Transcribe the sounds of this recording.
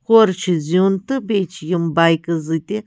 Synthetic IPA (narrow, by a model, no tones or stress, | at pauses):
xoɾt͡ʃʰizunt̪ɨbʲet͡ʃʰjimbajkɨzɨt̪ʲi